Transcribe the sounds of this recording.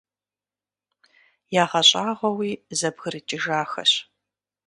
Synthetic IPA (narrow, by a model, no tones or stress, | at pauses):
jaːʁɐɕʼaːʁʷɐwiːzɐbɣɨɾɨt͡ʃʼɪʒaːxɐ̰ɕ